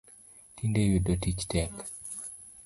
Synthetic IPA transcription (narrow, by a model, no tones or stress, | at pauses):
tindejudotit͡ʃtɛk